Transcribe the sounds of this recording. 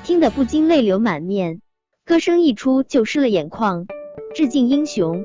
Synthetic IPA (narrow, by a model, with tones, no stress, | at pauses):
t̪ʰi˥ŋd̪ə˨pu˥˩t͡ɕi˥nle˥˩ɪljo˧˥ʊma˨˩nmjɛ˥˩n | kɤ˥ʂɤ˥ŋi˥˩ʈ͡ʂʰu˥t͡ɕjo˥˩ʊʂɻ̩˥˩lə˩jɛ˨˩nkʰwɑ˥˧ŋʈ͡ʂɻ̩˥˧t͡ɕi˥˩ni˥ŋɕjʊ˧˥ŋ